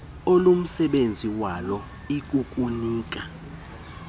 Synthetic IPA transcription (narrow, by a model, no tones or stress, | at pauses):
olum̩sɛɓend͡zʱiwalɔ | ik̬ʼukʼuniːk̬ʼa